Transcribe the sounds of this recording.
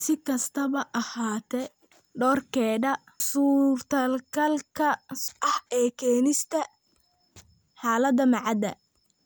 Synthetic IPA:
sɪkʰɐst̪ʰɐβɐʔɐhaːt̪ʰɛ | ɖɔːrkʰɛːdɐ | suːrt̪ʰɐlkʰɐlkʰɐʔɐhɛːkʰɛːnɪst̪ʰɐ | ħaːlɐd̪ɐmɑʕɑd̪ɐ̰

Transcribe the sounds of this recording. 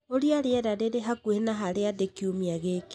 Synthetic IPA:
oɾiaɾeɛɾaɾeɾeɦakuehenaɦaɾeadekiumiaɣeke̥

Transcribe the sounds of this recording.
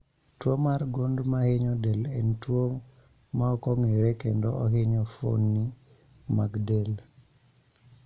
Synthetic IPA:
twomarɡondmaheɲɔdelɛntwo | maɔkɔŋeɾɛkendɔɔɦeɲɔfo̰nːi | maɡdel

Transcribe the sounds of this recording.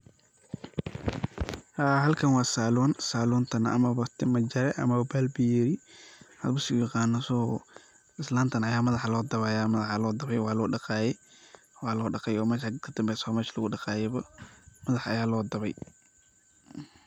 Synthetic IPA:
haːɦɐlkʰɐnwɑːsaːlɔnsaːlɔːnt̪ʰɐnɐ̰ʔɐ̰mɐβɐt̪ʰɪmɐd͡ʒɐɾɛʔɐ̰mɐβɐbalbijɛɾihɐ̰lbʊsɪɡʊjɐqɑːnːɐsɔː | ɪslaːnt̪ʰɐnɐjaːmɐðɐħlɔːd̪ɐβɛjaːmɐðɐħlɔːd̪ɐβɛjwɑːlɔːɖɑqɑːjɛ | wɑːlɔːɖɑqɛjɔːmɛːʃakʰɐd̪̥ɐmbɛsɔmɛːʃlɐɣʊɖɑqɑːjɛβɐmɐðɐħɐjaːlɔːd̪ɐβɛj

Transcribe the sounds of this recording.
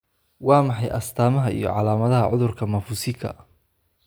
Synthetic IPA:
wɑːmɑħɑjʔɐst̪ʰaːmɐɦɐḭjɔ̰ʕɑlaːmɐðɐɦɐʕʊðʊrkʰɐmɐfusɪkʰɐ̰

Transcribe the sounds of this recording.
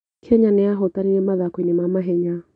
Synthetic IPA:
kʰɛɲanɛaɦɔtaniemaðakwinɪmamaɦɛɲa

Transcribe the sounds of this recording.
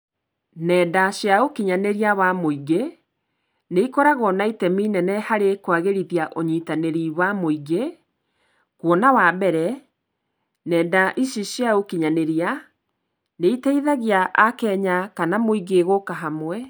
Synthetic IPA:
nɛːdaɕjaokiɲaneɾiawamoiɡe | neikɔɾaɣɔnaitɛmiːnɛnɛhaɾekwaɣeɾiðiaʔoɲiːtaneɾiwamoiɡe | kwɔnawabɛɾɛ | nɛːdaʔiʃiɕjaokiɲaneɾia | neitɛiðaɣiaʔakɛːɲakanamoiɡeɣokaɦamwɛ

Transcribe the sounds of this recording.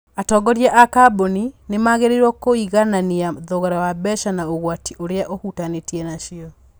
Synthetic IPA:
atɔɡɔɾjɛʔakaboninemaɣeɾeɾwɔkoiɣananiaðoɣaɾawabɛʃanaoɣwatiʔoɾeaʔohutanetjɛnaʃiɔ

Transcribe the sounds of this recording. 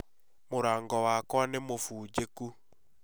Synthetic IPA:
moɾaːŋɡɔwakwanemofuːd͡ʑeku

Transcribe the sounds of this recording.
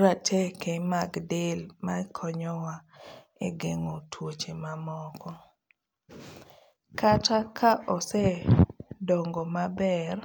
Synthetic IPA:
ɾatʰɛkemaɡdɪlmakʰɔɲɔwa | eɡeŋotʰwot͡ʃemamɔkʰɔ | kʰatakʰaʔɔsɛ | dɔŋɡɔmabɛr

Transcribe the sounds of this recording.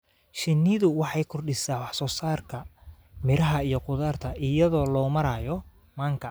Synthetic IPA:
ʃɪnːɪðʊwɑħɑjkʰʊrɗɪsaːwɑħsɔːsaːrkʰɐ | mɪɾɐɦɐijɔqʊðaːrt̪ʰɐʔɪjɐðɔːlɔːmɐɾaːjɔ | maːŋkʰɐ

